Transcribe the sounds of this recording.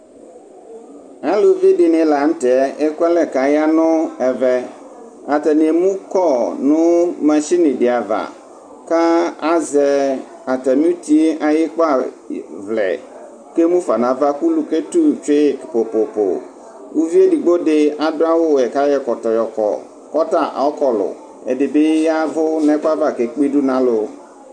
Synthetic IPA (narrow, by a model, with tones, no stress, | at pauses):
a˨˦lo˨vi˦dɪ˨nɪ̃˨la˨n̩˦tɛ˨˦e˦ku˦a˦lɛ˨ka˨ja˦nʊ̃˦ɛ˨vɛ˦ | a˨t̪ɛ˨nẽ˨mũ˦kɔ˦˨nʊ̃˦mɛ̃˨ʃi˦nɪ̃˨ɖɪ˨a˨va̰˨ | ka˦a˦zɛ˨ | a˨t̪ɛ˨nũ˦t̪i˦e˦ʔa˨je˦k͡pa˦˨ | vlɛ̰˨ | ke˦mũ˦fa˨nã˨va˦ku˦lu˨ke˦t̪u˦t͡ʃe˦po˨po˨po̰˨ | u˦vi˦e˦di˨ɡ͡bo˦ɖɪ˦a˨dʊ˦a˦wo˦˨ɛ˨ka˦jɛ˦kɔ˨t̪ɔ˨jɔ˨kɔ̰˨ | kɔ˦ta˨ʔɔ˦kɔ˨lʊ̰˨ | ɛ̰˨dɪ˨be˦ja˦vʊ˦nɛ̃˦ka˦va˦˨ke˨k͡pi˦ɖu˦nã˦lʊ˦